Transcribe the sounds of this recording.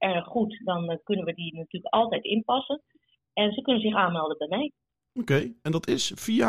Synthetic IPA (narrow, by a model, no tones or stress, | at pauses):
ʔɛrxːutdɔnkønənʋədinatyːləkɑlˠtɛjtɪnpɑsən | ɛnsəkønənzɪxaːnmɛlˠdəbɛjmɛj | okejɛndɑtɪsfia